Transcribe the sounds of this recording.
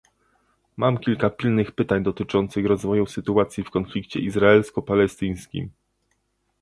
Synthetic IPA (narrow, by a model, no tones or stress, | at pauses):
mamkʲilkapʲilnɘxpɘt̪aɲd̪ɔt̪ɘt͡ʂɔnt̪sɘxɾɔzvɔjusɘt̪uat̪sʲjifkɔnflʲikt͡ɕɛ̰ʔizɾaɛlskɔpalɛst̪ɘj̃skʲḭm